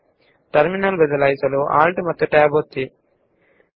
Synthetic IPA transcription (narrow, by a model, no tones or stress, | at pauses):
ʈɐɾminɐlbɐd̪ɐlɐjsɐluʔa̰ːlʈmɐt̪ːuʈaːbot̪ːi